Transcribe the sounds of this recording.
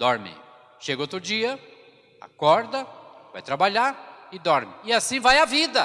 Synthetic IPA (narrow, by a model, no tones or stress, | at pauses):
d̪ɔɾmɪ̰ | ʃeɡot̪ɾʊd͡ʒiɐ | a̰kɔɾd̪ɐva̰jt̪ɾabaʎaɾɪd̪ɔɾmɪɪasĩvajavid̪ɐ